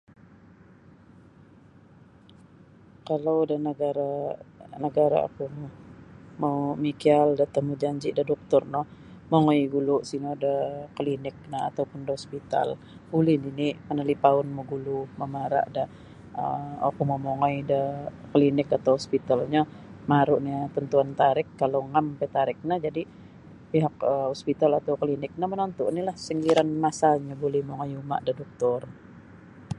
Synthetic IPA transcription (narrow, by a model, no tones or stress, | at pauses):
kalawdənəɡaɾa | nəɡaɾa̰a̰kumɔmomikialdat̪əmud͡ʒaɲd͡ʒiʔdahdɔk̚t̪ʊrnɔh | moŋojɡuluʔsinodəklinɪk̚naat̪awpʊndəɔspit̪a̰l | bulɪninimənəlipaʊnmuɡuluməmaɾa̰ʔda | əokuməmoŋɔjdəkəlinɪkat̪awhɔspit̪alɲa | maɾʊʔnit̪ənt̪uant̪aɾɪkːaloŋampɛt̪aɾɪk̚nad͡ʒadi | piɦakəhɔspit̪alat̪awkəlinɪk̚namənont̪ʊʔnilahsəŋɡiɾanmasaɲabulihmoŋɔjuma̰ʔdahdɔk̚t̪ʊr